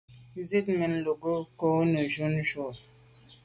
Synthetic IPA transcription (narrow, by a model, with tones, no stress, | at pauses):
ze˦tme˨n˦˨lo˨ɡo˦ko˨˦nə˨d͡ʒu˦nʒo˨